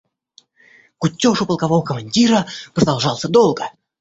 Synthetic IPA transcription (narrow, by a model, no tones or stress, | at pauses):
kʊtʲːoʂʊpəlˠkɐvovəkəmɐnʲdʲiɾəpɾəd̪ɐlˠʐɑlˠsʲəd̪olˠɡə